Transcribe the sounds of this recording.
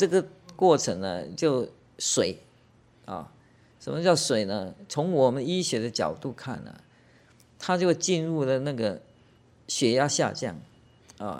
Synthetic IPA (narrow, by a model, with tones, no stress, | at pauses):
ʈ͡ʂɤ˥˩ɡə˨kwɔ˥˩ʈ͡ʂʰə˧˥ŋnə̰˧t͡ɕjo˥˩ʊ | swe˨˩˦ɪ | ɐ̰˨˩ | ʂə˨˩nmə˦t͡ɕjɑ˥˩ʊswe˨˩ɪnə˦t͡sʰʊ˧˥ŋwɔ˨˩mə˦ni˥ɕɥɛ˧˥d̪ə˧t͡ɕjɑ̰˨˩ʊt̪u˥˧kʰa̰˥˩nːə̰˩ | t̪ʰa˥t͡ɕjo˥˧ʊt͡ɕi˥˧nɻu˥˩lə˩na˥˩ɡə˩ | ɕɥɛ˧˥ja˥ɕja̰˥˧t͡ɕjɑ̰˥˩ŋ | ɐ̰˨˩